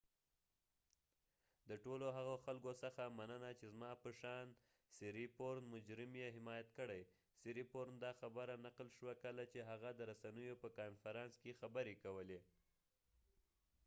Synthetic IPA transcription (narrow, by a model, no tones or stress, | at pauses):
d̪əʈoloɦaɣoxalkosəxamanənat͡ʃezmɑpəʃɑn | siɾipoɾnmʊd͡ʒɾɪmjeɦɪmɑjat̪̚kəɽaj | siɾipoɾnd̪ɑxabəɾanaqlʃwakəlat͡ʃeɦaɣad̪əɾasanəjopəkɑnfaɾɑnskexabəɾekawəle